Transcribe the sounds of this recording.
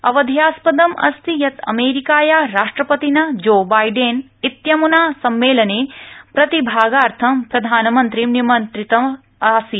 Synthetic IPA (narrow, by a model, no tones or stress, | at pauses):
ɐʋɐd̪ʱjaːspɐd̪ɐmɐ̰st̪ijɐt̪ɐ̰meːɾikaːjaɾaːʂʈɾɐpɐt̪inɐd͡ʒoːbaːjɖeːn | it̪jɐmunaːsɐmːeːlɐneːpɾɐt̪ibʱaːɡaːɾt̪ʰɐmpɾɐd̪ʱaːnɐmɐnt̪ɾimnimɐnt̪ɾit̪ɐm | aːsi